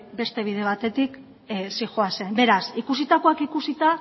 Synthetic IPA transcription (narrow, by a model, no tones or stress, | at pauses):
be̞st̪e̞β̞iðe̞β̞at̪e̞t̪ik | sixoase̞nbe̞ɾasikus̬it̪ako̞akikusit̪a